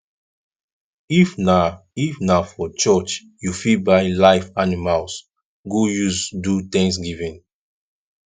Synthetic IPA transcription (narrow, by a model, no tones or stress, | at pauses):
ifna | ifnafɔt͡ʃɔt͡ʃ | jufibaɪlaɪfanimals | ɡujusdut̪ɛ̃ŋs̬ɡivɛ̃n